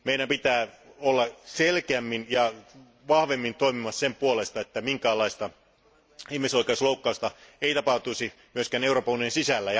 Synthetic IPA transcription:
meiɾæmpit̪æːolːɑselkeæmːinjɑ | ʋɑhʋemːint̪oimimɑssempuolest̪ɑet̪ːæmiŋkæːlɑist̪ɑ | ihmisoikeusloukːɑust̪ɑeit̪ɑpɑht̪uisi | myøskæneuroːpɑuniensisælːæj

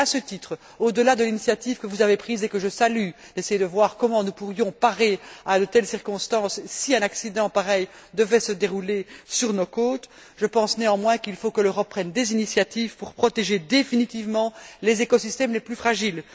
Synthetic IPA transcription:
asət̪it̪χ | od̪əlad̪əlinisjat̪ivkəvuzavepχiːzekəʒəsaly | d̪esejed̪əvwaʁkɔmɑ̃nupuʁjɔ̃paʁead̪ət̪ɛlsiʁkɔ̃st̪ɑ̃ssiɛ̃naksid̪ɑ̃paʁɛj | d̪əvɛsəd̪eʁulesyʁnokoːt̪ | ʒəpɑ̃sneɑ̃mwɛ̃kilfokəløʁɔpːχɛnd̪ezinisjat̪iːvpuʁpχɔt̪eʒed̪efinit̪ivmɑ̃lezekɔsist̪ɛmleplyfχaʒil

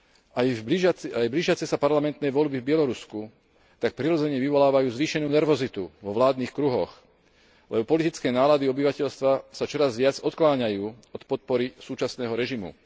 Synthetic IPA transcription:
ajbiajbliʒɪjat͡sɛsapaɾlamɛnt̪nɛjʋɔʎbivbɪɛlɔɾusku | t̪ak̚pɾiɾɔd͡zɛɲɛʋiʋɔlaːʋajuːzʋiːʃɛnuːnɛɾʋɔzit̪uʋɔʋlaːd̪niːxkɾuɦɔ̰x | lɛbɔpɔlit̪it͡skɛːnaːlad̪iɔbiʋacɛʎst̪ʋasat͡ʃɔɾazʋɪad͡zɔt̪klaːɲajuː | ɔt̪pɔt̪̚pɔɾisuːt͡ʃasnɛːɦɔɾɛʒimṵ

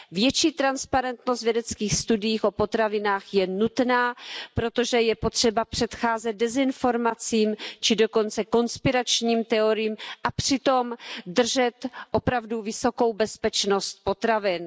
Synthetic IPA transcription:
vjɛt͡ʃiːt̪ɾanspaɾɛnt̪nost̪vjɛdɛt͡skiːxst̪udɪjiːxopo̞t̪ɾavɪnaːxjɛnut̪naːpɾo̞t̪o̞ʒɛjɛpot̪r̝̥ɛbapr̝̥ɛt̪xaːzɛd̪̚dɛzɪnfo̞ɾmat͡siːmt͡ʃɪdo̞ko̞nt͡sɛko̞nspɪɾat͡ʃɲiːmt̪ɛo̞ɾɪjiːmʔapr̥ɪt̪o̞md̪r̩ʒɛt̪ʔo̞pɾavduvɪso̞ko̞wbɛspɛt͡ʃno̞st̪̚po̞t̪ɾavɪn

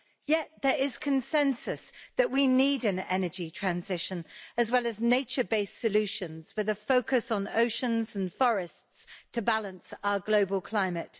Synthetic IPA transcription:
jɛʔ̪̚ðəɹɪz̥kʰə̃nsɛ̃nsəsðəʔwiniːdə̃nɛnəd͡ʒitʰɹ̥ãnzɪʃə̃nəzwɛləzneɪt͡ʃəbeɪsəlʉˑʃə̃nz̥wɪðəfəʊkəsn̩o̰ʊʃə̃nzə̃n̩fɒɹɪststʰəbalə̃nsaʊəɡləʊbəlˠkʰl̥ãɪ̃mət

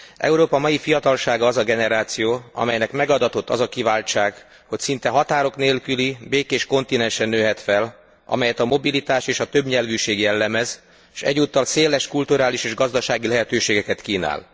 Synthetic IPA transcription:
ʔɛ̰uɾoːpɒmɒjifijɒt̪ɒlʃaːɡɒːzɒɡɛnɛɾaːt̪sijoːɒ̰mɛjnɛkmɛɡɒd̪ɒt̪o̞t̪ːɒ̰zɒkivaːlt͡ʃaːɡ | ho̞csint̪ɛɦɒt̪aːɾo̞kneːlkylibeːkeːʃko̞nt̪inɛnʃɛnːøːɦɛt̪fɛl | ɒ̰mɛjɛt̪ɒmo̞bilit̪aːʃeːʃɒt̪øbɲɛlvyːʃeːɡjɛlːɛmɛz | ʃɛ̰ɟːuːt̪ːɒlseːlɛʃkult̪uɾaːliʃeːʒɡɒzd̪ɒʃaːɡilɛɦɛt̪øːʃeːɡɛkɛt̪kiːna̰ːl

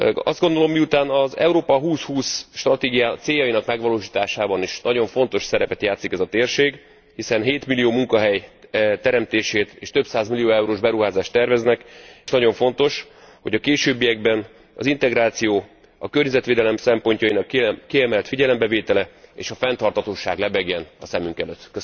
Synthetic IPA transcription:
ɒ̰zd̪ɡo̞nd̪o̞lo̞mːiut̪aːnɒzɛ̰uɾoːpɒɦuːshuːsʃt̪rɒt̪eːɡijaːt̪seːjɒjinɒkmɛɡʋɒloːʃiːt̪aːʃaːbɒniʃnɒɟo̞ɱfo̞n̪t̪o̞ʃsɛɾɛpɛt̪jaːt̪sikɛzɒt̪eːrʃeːɡ | hisɛnɦeːt̪milːijoːmuŋkɒɦɛjt̪ɛɾɛmt̪eːʃeːt̪ḛːʃt̪ø̞psaːzmilijoːɛuɾoːʒbɛɾuɦaːzaːʃt̪ːɛrvɛznɛkʃnɒɟo̞ɱfo̞nt̪o̞ʃ | ho̞ɟɒkeːʃøːbːijɛɡ̚bɛn | ɒ̰zint̪ɛɡɾaːt̪sijoː | ɒ̰kørɲɛzɛt̪ʋeːd̪ɛlɛmsɛmpo̞ɲcɒjinɒkːiɛmɛlt̪fiɟɛlɛmbɛveːt̪ɛlɛḛːʃɒfɛnt̪ɒrt̪hɒt̪oːʃaːɡlɛbɛɡjɛnɒsɛmyŋkɛløːt̪ːkøs

